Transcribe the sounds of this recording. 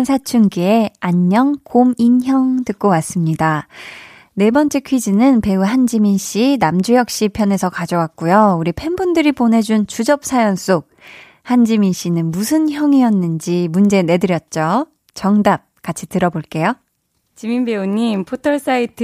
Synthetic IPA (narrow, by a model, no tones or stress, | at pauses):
nsʰat͡ɕʰunɡie̞aɲːʌŋkominçjʌŋtɯk̚k͈owas͈ɯmɲida | ne̞bʌnt͡ɕ͈ʰekʰɥid͡ʑinɯnpe̞uɦand͡ʑiminɕ͈inamd͡ʑujʌk̚ɕ͈ipʰjʌne̞sʰʌkad͡ʑʌwak̚k͈ujouɾipʰe̞nbundɯɾipone̞d͡ʑunt͡ɕud͡ʑʌp̚sʰajʌns͈ʰok̚ | hand͡ʑiminɕ͈inɯnmusʰɯnçjʌŋiʌnːɯnd͡ʑimund͡ʑe̞ne̞dɯɾjʌt̚t͡ɕ͈o | t͡ɕʌŋdap̚kat͡ɕʰitɯɾʌboɭk͈e̞jo | t͡ɕimimbe̞uɲːimpʰotʰʌɭs͈aitʰ